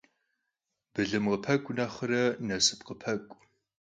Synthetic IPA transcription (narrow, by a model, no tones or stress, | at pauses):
b̥ɨɮɨmqəpʰɐkʷʼʊnɐχərɐnɐsɨ̥pqəpʰɐkʷʼ